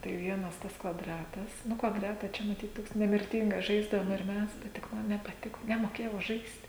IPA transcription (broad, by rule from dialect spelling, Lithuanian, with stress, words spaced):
tɐɪ ˈʋʲiɛnɐs ˈtɐs kʋɐˈdrɑːtɐs ˈnʊ kʋɐˈdrɑːtɐ ˈt͡ʃʲɛ mɐˈtʲiːt ˈtoːks nʲɛmʲɪrʲˈtʲɪŋɡɐs ˈʒɐɪzdɐʋoːm ɪr ˈmʲɛs tɐɪ tʲɪk ˈmɐn nʲɛpɐˈtʲɪkoː nʲɛmoːˈkʲeːjɛʊ ˈʒɐɪst